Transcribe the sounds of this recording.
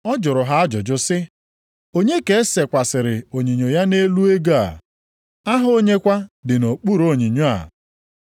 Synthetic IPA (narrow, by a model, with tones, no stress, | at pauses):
ɔ˦d͡ʒʊ˨ɾʊ˨ɦa˦a˦d͡ʒʊ˨d͡ʒʊ˦sɪ˦ | o˦ɲe˦ke˨˦se˨kʷa˨sɪ˨ɾɪ˨o˨ɲi˨ɲo˨ja˦ne˦lu˦e˦ɡo˦a̰˨ | a˦ɦʊ˦o˦ɲe˦kʷa˦dɪ˨no˨k͡pu˦˨ɾo˦˨ɲi˨ɲo˦a̰˨